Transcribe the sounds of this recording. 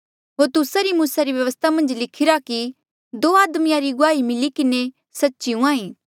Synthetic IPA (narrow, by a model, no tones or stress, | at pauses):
ɦoːɾt̪ʊsaɾimuːsaɾiʋjɐʋəst̪ʰamɐ̃nd͡ʒlɪkʰɪɾaki | d̪oːaːd̪mijãɾiɡʊaːimɪlikɪne | sɐtːʃiũãːĩː